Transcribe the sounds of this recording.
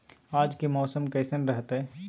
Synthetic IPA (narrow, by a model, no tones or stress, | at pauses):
aːd͡ʒkimɔːsəmkɛːsənɾəɦət̪ɦɛː